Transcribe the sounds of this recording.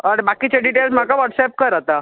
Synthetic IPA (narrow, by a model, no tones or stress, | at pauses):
aɽebakit͡ɕaɖiʈelsm̤akaʋɔʈsɛp̚kəɾat̪a